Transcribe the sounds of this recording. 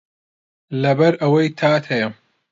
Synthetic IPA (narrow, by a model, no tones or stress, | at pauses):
lɐbɐɾɐwɐjt̪ʰaːt̪ʰɐjɐ